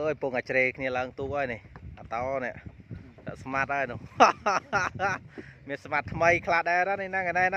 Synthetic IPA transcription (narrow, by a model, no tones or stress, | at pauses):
ʔəːjpuŋʔat͡ɕreːkʰniəlaəŋt̪uəʔ̚ʔaːjnehʔat̪ɑːnɛ̆əʔtɛ̆əʔsmat̪̚ʔaːjnʊəh | miənsmat̪ʰːməjkʰlaɗaɛɾaninakanaɛna